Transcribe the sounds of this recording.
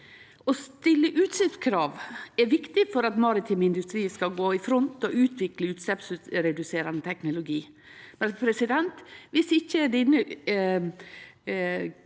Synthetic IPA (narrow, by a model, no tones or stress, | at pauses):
ɔst̪ɪlːəʔʉːt̪sɛpskʰɾɑːʋɛɾʋɪkt̪ɪfɔɾɑt̪mɑɾɪt̪ʰɪmɪnd̪ʉst̪ɾiːskɑɡoːɪfɾɔnt̪ɔʉːt̪ʰʋɪkləʉːt̪sɛpsɾɛd̪ʉseːɾɑnət̪ʰɛknʊlʊɡiː | mɛnpʰɾɛsɪd̪ɛnt̪ʋɪsɪçːəd̪ɪnə